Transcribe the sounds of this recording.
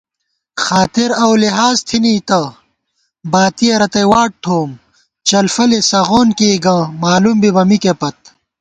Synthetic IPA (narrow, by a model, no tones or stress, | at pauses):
xaːt̪iɾɐwliɦaːzt̪ʰiniːt̪ɐ | baːt̪ijɐɾɐt̪ɐjwaːʈ̚ʈ̪ʰoːm | t͡ɕɐlfɐlesɐɣoːnkiːɡɐ̃ːmaːlumbibɐmikepɐt̪̚